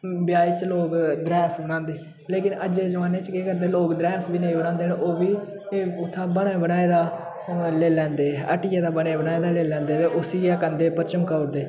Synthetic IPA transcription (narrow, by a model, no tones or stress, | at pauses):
bjaːiːt͡ʃloːkd̪ɾɛːsbənãːnd̪eː | leːkɪnəd͡ʒeːd͡ʒəʋaːneːt͡ʃkeːkəɾd̪eːloːkd̪ɾɛːsbiːnəĩːbəñãːnd̪eːnʔoːbiː | ʊt̪ʰːaːbəneːbəɽaːeːd̪aː | leːlɛ̃ːnd̪eːə̰ʈɪjaːd̪aːbəɽeːbənaːeːd̪aːleːlɛ̃ːnd̪eːt̪eːʔʊsiːjaːkənd̪eːpəɾt͡ʃəmkəʊɾd̪eː